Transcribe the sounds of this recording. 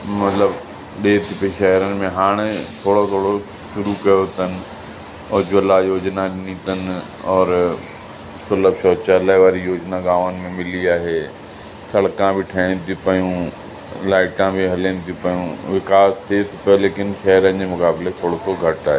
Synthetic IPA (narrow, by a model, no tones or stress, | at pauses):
mɐt̪ləb | ɗeːt̪ʰipəiʃɐɦɾənɪ̆mẽɦaːɽ̃t̪ʰoːɽot̪ʰoːɽo | ʃʊɾukɐjot̪ənɪ̆ | ʊd͡ʑʋəlajoːd͡ʑnaɗɪnit̪ənɪ | ɔːɾ | smɐləbʃɔːt͡ɕaːlaʋaːɾijoːd͡ʑnaɡaːʋənɪ̆mẽmɪliaːɦeː | sɐɽkãbʱiʈʰɛːnɪ̃t̪ʰipɐjũ | laːɪʈãbʱiɦɐlənɪ̃t̪ʰipɐjũʋɪkaːst̪ʰiet̪ʰopɐoleːkɪnʃɐɦəɾənɪ̆d͡ʑemʊkaːbɪlet̪ʰoːɽot̪ʰoɡʱɐʈaːɦeː